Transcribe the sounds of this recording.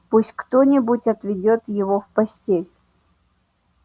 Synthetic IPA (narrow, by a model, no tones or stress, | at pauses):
pusʲtʲkt̪onʲɪbutʲɐt̪vʲɪdʲot̪jɪvofpɐsʲtʲelʲ